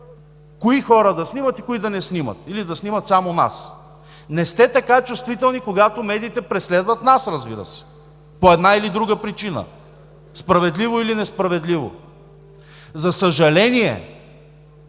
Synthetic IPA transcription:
koixɔɾəd̪ɐsnimət̪ikoid̪ɐnɛsnimə̰t̪ilid̪ɐsnimət̪samona̰s | nɛst̪ɛt̪ɐkat͡ʃust̪vit̪ɛlˠnikoɡat̪omɛd̪iːt̪ɛpɾɛslɛd̪vət̪nasɾɐzbḭɾə̰sɛ̥ | poɛd̪nailid̪ɾuɡəpɾit͡ʃinə̰ | spɾɐvɛd̪livoilinɛspɾɐvɛd̪livo̰ | zɐsəʒɐlɛniɛ̰

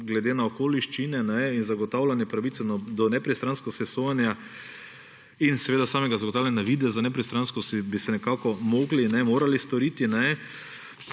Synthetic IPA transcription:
ɡlɛd̪enaɔkoːliʃt͡ʃinɛnɛinzaɡɔt̪awlʲanjɛpɾaʋit̪sɛnɔd̪ɔnɛpɾist̪ɾanskɔsɛsojanja | insɛʋeːd̪asaːmɛɡazaɐɡɔt̪awlanʲaʋiːd̪ɛzanɛpɾist̪ɾanskɔsibisɛnɛkaːkɔmoɡlinɛmoːɾalist̪ɔɾiːt̪inɛ

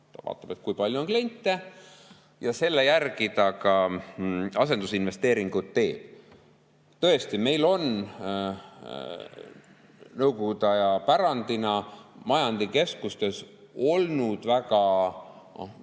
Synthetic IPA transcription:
t̪ɑvɑ̰ːt̪ːˑɑ̥be̞t̪̚ːˑkujpɑlʲjuo̞nkle̞nʲt̪ːˑe | jɑse̞lːejærɡ̥id̪̥ɑkɑ | ɑse̞nd̪usinve̞st̪e̞ːɾiŋɡ̥ut̪ːe̞ːl̥ | t̪ɤ̞e̞st̪ime̞jlo̞n | nɤwko̞ɡud̪̥ɑjɑpæɾɑnd̪̥inɑmɑjɑnd̪̥ike̞skust̪e̞s | o̞lnud̪̥væɡɑ̰

